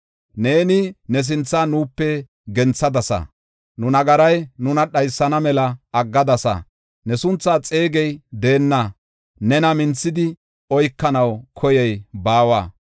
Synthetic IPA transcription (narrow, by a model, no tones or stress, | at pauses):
ne̞ːnɪnɛs̬ɪnt͡sːaːnuːpːɛ | ɡɛnt͡sːɐd̪ɐsɐ̰ | nʊnɐɡɐɾɐjnʊnɐɗɐjsːɐnɐmɛlɐɐɡːɐd̪ɐsɐ̰ | nɛsʊnt͡sːaːt͡sʼe̞ːɡɛjd̪e̞ːnːɐ | nɛnɐmɪnt͡sːɪd̪ɪ | ɔjkːɐnɐwkʰɔjɛjbaːwaː